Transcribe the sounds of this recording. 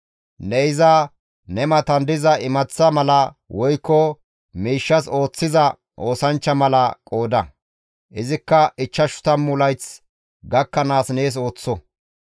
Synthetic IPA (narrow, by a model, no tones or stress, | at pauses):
nɛjɪza | nɛmɐt̪ɐnd̪ɪzɐʔɪmɐt͡sːɐmɐlɐ | wɔjkːɔ | miːʃːɐso̞ːt͡sːɪzɐ | ʔo̞ːsɐnt͡ʃːɐmɐlɐkʼo̞ːd̪ɐ | ʔɪzɪkːɐʔɪt͡ʃːɐʃʊ̥t̪ɐmːʊlɐjt͡s | ɡɐkːɐnaːsneːs̬o̞ːt͡sːɔ